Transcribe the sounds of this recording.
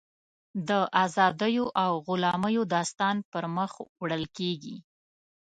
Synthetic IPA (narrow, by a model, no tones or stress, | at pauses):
d̪əʔazɑd̪əjoʔawɣʊlɑməjod̪ɑst̪ɑnpəɾməxwɽəlkeɡḭ